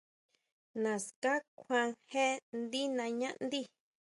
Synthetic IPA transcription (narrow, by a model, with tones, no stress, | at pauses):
nã˨ska˦kʷʰã˧ŋhe˦nd̪i˦nã˧ɲã˦ʔnd̪i˦